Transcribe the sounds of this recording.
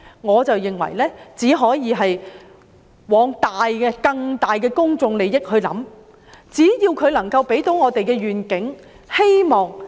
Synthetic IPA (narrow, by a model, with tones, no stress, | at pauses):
ŋɔː˨˧t͡sɐ˨wjɪ˨ŋwɐ̰˨˩jlɛː˥t͡siː˨˥ɦɔː˨˥jiː˨˧ɦɐ˨j | wɔː˨˥ŋt̪aː˨jkɛː˧kɐ˧ŋt̪aː˨jkɛː˧kʊ˥ŋt͡sʊ˧ŋle˨˩jjɪ˥k̚hɵ˧ɥlɐ̰˨˥m | t͡siː˨˥jiː˧wkʰɵ˨˧ɥlɐ˨˩ŋkɐ˧wpe˨˥jt̪o˨˥wŋɔː˨˧t̪e˨jkɛː˧ɥyː˨nkɪ˨˥ŋ | he˥jmɔː˨˩ŋ